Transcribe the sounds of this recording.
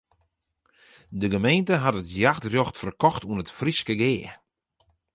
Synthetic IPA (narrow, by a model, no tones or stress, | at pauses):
dəɡəmejntəɦatətjaxtrjoxtfərkɔxtuənətfriskəɡɪː